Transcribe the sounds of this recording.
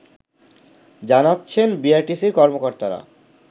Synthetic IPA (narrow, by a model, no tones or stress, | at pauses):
d͡ʑanatːɕʰenbiajʈisiɾkɔɾmokoɾt̪aɾa̰